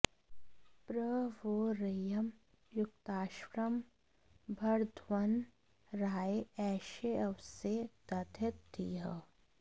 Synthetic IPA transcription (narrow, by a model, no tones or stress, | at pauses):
pɾəʋoːɾəjɐm | jʊk̚t̪aːʃwɾəm | bʱɐɾd̪ʱʋɐn | ɾaːeɛːʃeɐʋset̪ɐd̪ʱjɐt̪d̪ḭːɦə̰